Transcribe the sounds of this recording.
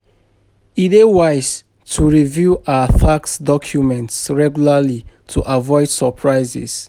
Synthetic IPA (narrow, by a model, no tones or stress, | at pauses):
idewaɪs | tʰuɹivjuʔaəfaksdɔkʰjumɛ̃ntsɹɛɡjulali | tʰuʔavɔɪdsəpʰɹaɪzɪ̰s